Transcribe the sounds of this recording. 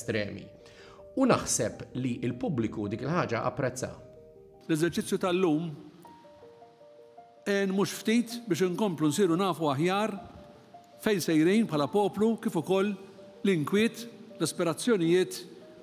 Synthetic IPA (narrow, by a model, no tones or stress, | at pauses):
t̪ɾɛ̰ːmḭ | unɐħsɛpliʔɪlpʊblɪkud̪iːkɪlħɐːd͡ʒɐʔɐ̰pːɾɛt͡sːɐ̰ | lɛzɛɾt͡ʃɪt͡sːjut̪ɐlːuːm | ɛːnmʊːʃft̪iːt̪bɪːʃɪŋkɔmplunsiːɾunɐːfuɐħjɐːɾ | fɛjnsɛjɾijnpʰħɐlɐpɔːplukɪːfʊkɔlː | lɪŋkwɪːt̪lɐspɪɾɐt͡sːjɔnɪjɪːt̪